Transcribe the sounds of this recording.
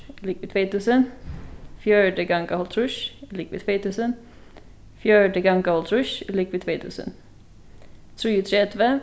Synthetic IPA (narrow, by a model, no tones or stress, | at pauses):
ɪlikʋɪt̪ʰveːt̪ʉːsən | fjœːɖəɡaŋɡahɔlt̪ʰɾʉʃɪlikʋɪ̰t̪ʰveːt̪ʰʉːsən | fjæːɖəɡaŋɡahɔlt̪ʰɾʉʃɪlikʋɪt̪ʰveːt̪ʰʉ̰ːsə̰n | t̪ʰɾiːət̪ʰɾɛd̪və